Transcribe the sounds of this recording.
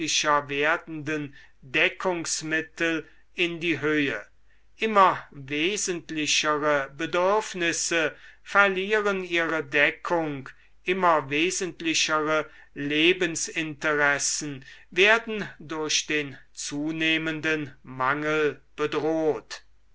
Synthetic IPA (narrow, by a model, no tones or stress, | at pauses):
ɪʃɐveːɐdn̩dən | dɛkʰʊŋsmɪtl̩ | ɪndiːɦøːə | ʔɪmɐveːzəntlɪʃəʁəbədʏɐfnɪsəfɛɐliːʁəniːʁədɛkʰʊŋk | ʔɪmɐveːzəntlɪɕəʁə | leːbənsɪntəʁɛsn̩veːɐdn̩dʊɐɕd̥eːnt͡suːneːməndənmaŋəlb̥ədʁoːt